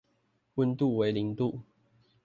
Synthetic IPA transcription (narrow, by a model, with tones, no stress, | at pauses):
wə˥˧nt̪u˥˨we˧˥ɪli˨˦ŋt̪u˥˨